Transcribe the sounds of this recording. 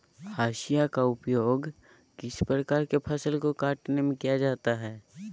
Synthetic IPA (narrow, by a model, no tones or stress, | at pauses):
aːʃijakaʊpjoːɡ | kɪspɾəkaːɾkepʰɐsəlkokaːʈnemẽkijad͡ʒaːt̪aɦɛː